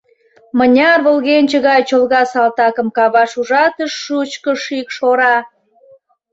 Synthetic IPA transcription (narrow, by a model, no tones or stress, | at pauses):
mənʲɑrβəlɣenʲt͡ɕəɣɑjt͡ɕolɣɑsɑlt̪ɑkə̆mkɑβɑʃuʒɑt̪əʃːut͡ɕkəʃikʃoɾɑ